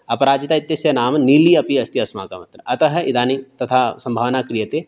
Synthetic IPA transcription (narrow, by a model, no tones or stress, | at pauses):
ɐpɐɾaːd͡ʒɪt̪aːɪt̪ːjɐsjɐnaːmniːliɐpiɐst̪iɐsma̰ːka̰mɐt̪ɾəʔɐt̪ɐɦɐid̪ʱaːnit̪ɐt̪ʰasɐ̃mbʱaːʋnakɾijət̪e